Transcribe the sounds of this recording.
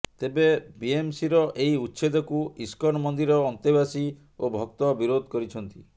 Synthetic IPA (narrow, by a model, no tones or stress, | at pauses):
t̪ebebiemsiɾɔʔeiutːʃʰed̪ɔkuiskɔnɔmɔnd̪iɾɔːnt̪ebasi | obʱɔk̚t̪ɔbiɾod̪ʱɔkɔɾit͡ʃʰɔnt̪i